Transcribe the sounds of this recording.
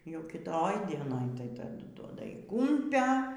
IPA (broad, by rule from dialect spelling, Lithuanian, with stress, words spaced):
jɛʊ kʲɪˈtoːj dʲiɛˈnoːj tɐɪ tɐˈdʊ duɔdɐ iː ˈkʊmʲpʲɛ